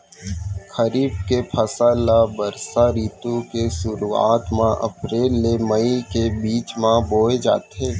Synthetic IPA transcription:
xəɾiːbkepʰɐsalabɐɾsaɾiːt̪ukesʊɾuːa̰ːt̪mãʔɐ̰pɾeːlːeməikebiːt͡ʃmãboːed͡ʒa̰ːt̪eː

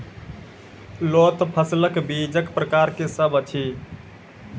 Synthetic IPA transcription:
lot̪pʰəsləkbid͡ʒəkpɾəkaɾkesəbət͡ʃʰi

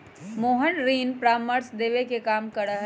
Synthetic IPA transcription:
moːɦənɾiːnpɾaːmːəɾsd̪eːʋekekaːmkəɾəɦ

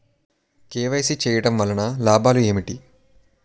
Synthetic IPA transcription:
keːʋɐjsit͡ʃɛːjɐɽɐmʋɐlːɐnɐlaːbʱaːlue̞ːmiʈi

